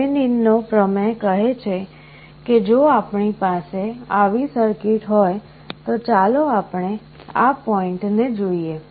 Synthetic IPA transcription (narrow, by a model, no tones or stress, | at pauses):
eninːopɾəmẽkəɦet͡ʃʰe | ked͡ʒoapɳipaseaʋisəɾkiʈɦɔj | t̪ot͡ʃaloapɳe | apɔiɳʈned͡ʒoie